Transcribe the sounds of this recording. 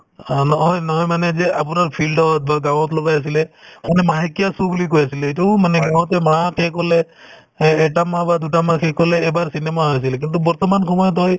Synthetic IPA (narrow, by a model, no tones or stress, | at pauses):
nɔɦɔjnɔɦɔjmanɛzɛap̬ʊnaɹpʰildɔt̚baɡaw̃ɔtlɔɡajas̬ilɛmanɛmaɦikijasubulik̬ojasilɛɛtumanɛɡawɔtɛmɹakʰɛkɔlɛː | tamabadutamakʰɛkɔlɛːbaɹsinɛmaɦɔjas̬ilɛk̬intubɔɹtɔmankʰɔmɔjɔtɔj